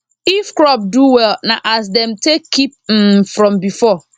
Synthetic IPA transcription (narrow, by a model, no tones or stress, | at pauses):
ifkɾɔp̚duwɛlnãʔas̬dɛ̃mtʰekʰːip̚m̩fɾɔ̃mbifɔ